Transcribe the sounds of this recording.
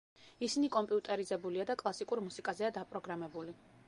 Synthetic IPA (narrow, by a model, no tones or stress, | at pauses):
isinikʼɔmpʼiut̪ʼɛɾizɛbuliad̪akʼlˠasikʼuɾmusikʼazɛad̪apʼɾɔɡɾamɛbuli